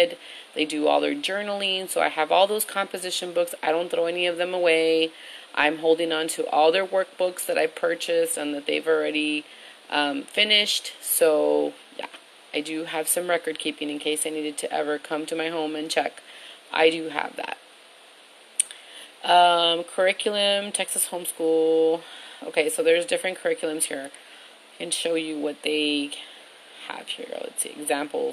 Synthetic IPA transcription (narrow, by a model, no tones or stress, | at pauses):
d̪̚ | ðeɪdɨɔ̰lˠðə̰˞d͡ʒɜ˞nl̩ˠĩnsoʊa̰ɪɨvɔlˠðoʊz̥kʰɑ̃mpɨzɪʃɨ̃nbʊksaɪɾõʊ̃nθɹoʊɛniʌvðɨ̃məweɪʔã̰ɪ̃mɦoʊlˠdɪ̃ŋə̃ntʰɨʔɔlˠðə˞wɜ˞k̚b̥ʊksðɨɾʔa̰ɪv̥pʰɜ˞t͡ʃɨsɨ̃nðɨt̪̚ðeɪvl̩ˠɹɛɾi | ʔʌ̃mfɪ̃nɪʃtsoʊ | jæ̰ | aɪdɨɨv̥sʌ̃mɹɛkə˞d̚kʰipɪ̃ŋɨ̃nkʰeɪsaɪniɾɨd̚tʰɨʔɛ̰və˞kʰʌ̃mtʰɨmaɪɦõʊ̃mɨ̃nt͡ʃʰɛkʔa̰ɪɾɨɨ̰vðæ̰t̚ | ʔʌ̃mkʰə˞ɪkʰjl̩ˠɨ̃mtʰɛksɨshõʊ̃mskulˠo̰ʊkʰeɪsoʊðə˞zdɪfɹɨ̃nkʰə˞ɪkjl̩ˠɨ̃mz̥hiɹ | ɪkɨ̃nʃoʊjɨwʌt̪̚ðeɪ | ə̰v̥hḭɹ̰ɨ̰tsɨ̰ɡzæ̃mpl̩ˠ